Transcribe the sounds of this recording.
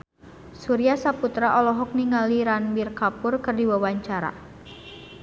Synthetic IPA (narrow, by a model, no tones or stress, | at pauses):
suɾiasaput̪ɾaʔɔlɔɦɔk̚niŋaliɾanmirkapʊrkɨrdiwawaɲt͡ʃaɾa̰